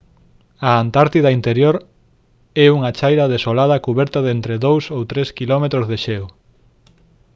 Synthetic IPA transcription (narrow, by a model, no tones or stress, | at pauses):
ɐant̪aɾt̪iðaint̪eɾjoɾ | ɛuŋɐt͡ʃajɾɐðesolað̞ɐkuβɛɾt̪aðent̪ɾeðowsowt̪ɾeskilɔmet̪ɾozðeʃew